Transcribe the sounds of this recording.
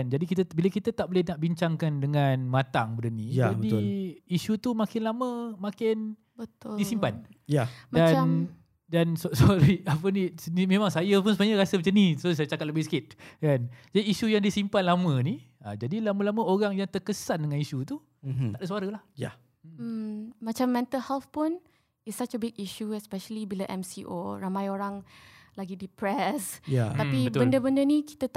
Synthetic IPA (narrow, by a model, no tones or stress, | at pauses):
and͡ʒadikit̪abilakit̪at̪aʔbolɪhnaʔbiɲt͡ʃaŋkandəŋanmãt̪aŋbədənĩjaabədit̪isut̪umakɪnlamə̃makɪn | bət̪disimpan | amdan | danssoaɾiap̬ənisnimẽmaŋsajap̬ʊnsəbaɲəɾasəmat͡ʃanisos̬ajat͡ʃakaləbɪhsə̥kɪt̪̚kand͡ʒadiːsujaŋdisimpanlamə̃ni | ad͡ʒadilamãlamə̃oɾaŋjaŋt̪ərkəsandəŋanisut̪u | aʔdasuaɾəlahja̰ | əmmat͡ʃamːɛ̃nt̪əlhɛlfpun | isat͡ʃəbiɡiʃuɛspɛʃəlibilaʔɛ̰msiʔo̰ɾamãjoɾaŋlaɡidipɾɛsjat̪apiəbəndəbəndəniki̥t̪ət̪